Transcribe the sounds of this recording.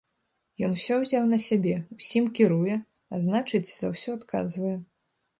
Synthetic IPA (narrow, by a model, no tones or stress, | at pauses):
jɔnwsʲɔwzʲawnɐsʲabʲɛusʲimkʲiɾujɛ | a̰znat͡ʂɨt͡sʲzawsʲɔat̪ka̰zvɐjɛ